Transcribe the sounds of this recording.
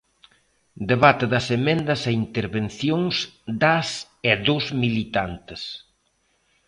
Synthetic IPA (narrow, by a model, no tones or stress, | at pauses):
d̪eβat̪eðɐsemẽnd̪ɐseint̪eɾβenθjoŋsd̪as | eðozmilit̪ant̪ɪs